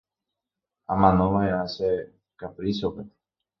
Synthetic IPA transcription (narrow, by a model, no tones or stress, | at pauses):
amãnõʋaease | kapɾisope